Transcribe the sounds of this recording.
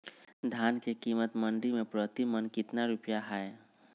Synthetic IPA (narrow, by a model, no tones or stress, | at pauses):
d̪ʱjaːnkekiːmət̪mə̃ɳɖimẽpɾət̪imənkɪt̪naɾupjaɦɛe